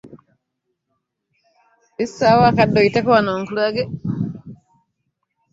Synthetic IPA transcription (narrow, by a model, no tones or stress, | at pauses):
isːawakadːɔitekɔwanoːŋkulaɡe